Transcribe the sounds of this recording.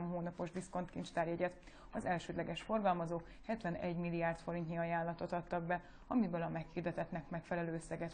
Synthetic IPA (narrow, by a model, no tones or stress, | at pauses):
mɦoːnɒpo̞ʒd̪isko̞nt̪kint͡ʃt̪aːɾjɛɟɛt̪ | ɒzɛlʃøːd̪lɛɡɛʃfo̞rɡɒlmɒzoːk | hɛt̪ʋɛnɛ̰ɟmilːijaːrt̪fo̞ɾint̪niɒjaːlːɒt̪o̞t̪ɒt̪ːɒɡ̚bɛ | ɒmibølɒmɛkhird̪ɛt̪ɛt̪nɛkmɛkfɛlɛløːøsːɛɡɛt̪